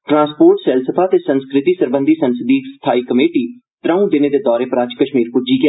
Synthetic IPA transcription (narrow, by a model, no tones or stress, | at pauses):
ʈɾãːspoːɾʈsɛːlsəpʰaːt̪eːsənskɾɪt̪iːsəɾbə̃nd̪ʱiːsənsɪd̪iːkst̪ʰaːiːkəmeːʈiː | ʈɾəːũd̪ɪneːd̪eːd̪ɔːɾeːpəɾaːt͡ʃkəʃmiːɾpud͡ʒiːɡɪaː